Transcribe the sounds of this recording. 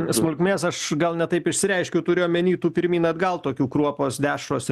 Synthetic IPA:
smʊlʲkʲmʲeːsɐʃɡɐlˠnʲɛt̪ɐɪpɪʃʲsʲɪɾʲɛɪʃʲkʲɛʊt̪ʊɾʲeːjomʲɛnʲiːt̪uːpʲɪɾʲmʲiːnɐd̪ɡɐlˠt̪oːkʲuːkɾuɔpoːsd̪ʲæːʃroːs

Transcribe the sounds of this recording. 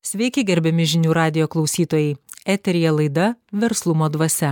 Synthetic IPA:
sʲʋʲɛɪkʲɪɡʲɛɾʲbʲɛmʲɪʒʲɪnʲuːɾɑːd̪ʲɪjoːklˠɒʊsʲiːt̪oːjɛɪæːt̪ʲɛɾʲɪjɛlˠɐɪd̪ɐʋʲɛɾslˠʊmoːd̪ʋɐsʲɛ

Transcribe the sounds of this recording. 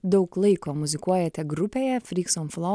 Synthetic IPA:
d̪ɐʊklˠɐɪkoːmʊzʲɪkuɔjɛt̪ʲɛɡɾʊpʲeːjɛfʲɾʲiːksɔnflˠo

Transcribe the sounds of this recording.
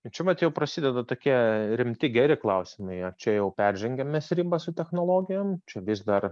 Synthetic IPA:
t͡ʃʲɛʋɐt̪jɛʊpɾɐsʲɪd̪ʲɛd̪ɐt̪oːkʲiɛɾʲɪmʲt̪ʲɪɡʲæːɾʲɪklˠɐʊsʲɪmɐɪɐt͡ʃʲɛjɛʊpʲæɾʲʒʲɛŋʲɡʲɛmʲɛsɾʲiːbɐsʊt̪ʲɛxnoːlˠoːɡʲɪjomt͡ʃʲɛʋʲɪsd̪ɐr

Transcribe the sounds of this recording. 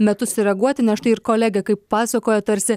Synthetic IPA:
mʲɛt̪ʊssʲʊɾʲɛɡuɔt̪ʲɪnʲɛʃt̪ɐɪɪɾkoːlʲæɡʲɛkɐɪpːɑːsɐkoːjɛt̪ɐɾʲsʲɪ

